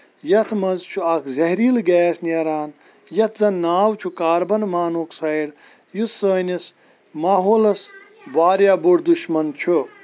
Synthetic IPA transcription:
jɐt̪ʰmɐnzt͡ʃʰuɐkʰzɐɦɾiːlɡɛːsnɐɾaːn | jɐt̪ʰzɐnːaːwt͡ʃʰukaːɾbɐnmaːnoːksɐjɽ | jusəːnis | maːɦoːlɐs | baːɾjaːbuɽd̪uʃmɐnt͡ʃʰu

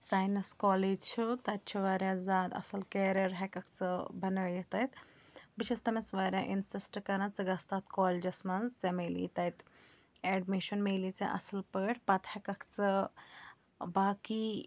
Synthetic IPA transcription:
saːjnɐskoːleːd͡ʒt͡ʃʰut̪ɐt̪̚t͡ʃʰuʋaːɾʲjaːzaːd̪ɐ̰sɐlkeːɾɐɾɦɛkɐkt͡sɨbɐnəjɐt̪ɐt̪bit͡ʃʰɐst̪ɐmɐsʋaːɾʲjaːʔinsisʈkɐɾɐnt͡sɨɡɐst̪aːt̪koːled͡ʒɐsmɐnzt͡semeːlḭːt̪ɐjt̪ | ɛːɖmiʃɐnmeːlit͡sɐ̰ʔɐ̰sɐlpəʈpɐt̪hɐkɐkʰt͡sɨ | baːki

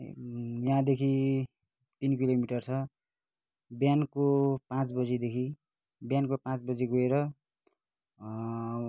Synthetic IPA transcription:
jaãd̪ekʰi | t̪inkilomiʈʌrt͡sʰʌ | bjankopãt͡sbʌd͡zid̪ekʰi | bjankopãt͡sbʌd͡ziɡoeɾʌ

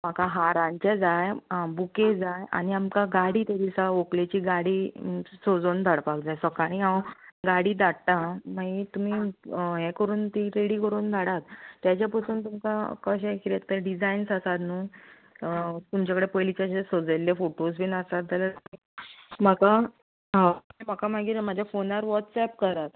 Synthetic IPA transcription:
m̤akaɦaɾaɲt͡ɕad͡zajbuked͡zaja̰ñiamkaɡaɽiːt̪eɾisaoklet͡ɕiːɡaɽiːsod͡zond̪ʱaɽpakd͡zajsəkaɽ̃ĩɦãwɡaɽiːd̪aʈʈ̪amait̪um̤iɦɛ̃kəɾuːnt̪iɾeɽikəɾuːnd̪ʱaɽat̪ːjat͡ɕjapəsʰuːnt̪umka̰kəɕẽkɾet̪əɖid͡zainsəsat̪nuː | t̪umt͡ɕakəɽepəjlit͡ɕaɕesod͡zəljefoʈos̬bʱiːnasat̪d͡zaləɾi | məka | ɦãĩməkamaɡiːɾmad͡ʑʱjafonaɾʋɔʈ̪sɛp̚kəɾat̪

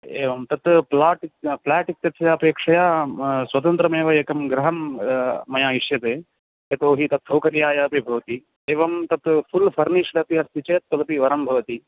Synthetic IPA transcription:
eːʋɐmt̪ɐt̪plaːʈplaːʈik̚t̪jɐt̪ɐjɐːpeːkʂɐjaswɐt̪ɐnt̪ɾɐmeːʋɐjekɐmɡɾɐɦɐmː | ɐjaːiʂjɐt̪eː | ɐt̪oːɦit̪ɐt̪ʰːɐwkɐɾjaːjaɐpibʱɐʋɐt̪i | eːʋɐmt̪ɐt̪fʰulfʰɐɾniːʂɽɐp̪iɐɾt̪ʰit͡ʃeːt̪̚pɐlɐpiʋɐɾɐmbʱɐʋɐt̪i

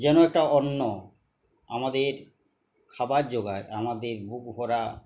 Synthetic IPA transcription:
d͡ʑɛnoɛk̚ʈaɔnːo | a̰mad̪eɾ | kʰabaɾd͡ʑoɡaeamad̪eɾbuk̚ɦoɾa

